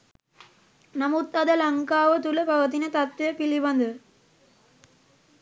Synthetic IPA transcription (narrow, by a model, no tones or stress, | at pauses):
nɐmut̪ːɐðɐlɐŋkaːʋɐt̪ulɐpɐʋɐt̪inɐt̪ɐt̪ːʋijɐpiliʋɐnd̪ɯ